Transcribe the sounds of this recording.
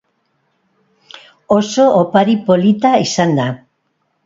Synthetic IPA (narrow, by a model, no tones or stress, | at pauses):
osoʔːpaɾipolit̪aesand̪a